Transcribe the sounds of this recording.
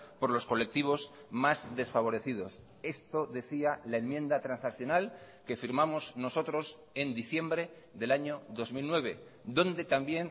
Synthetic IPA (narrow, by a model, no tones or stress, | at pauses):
po̞ɾlo̞sko̞le̞k̚t̪iβ̞o̞zmazðe̞sfaβ̞o̞ɾe̞θið̞o̞s | e̞st̪o̞ðe̞θialaenmjẽ̞nd̪at̪ɾansakθjo̞nal | ke̞fiɾmamozno̞so̞t̪ɾo̞s | e̞nd̪iθje̞mbɾe̞ | ðe̞laɲo̞ðo̞zmilnwe̞β̞e̞d̪o̞nd̪e̞t̪ambje̞n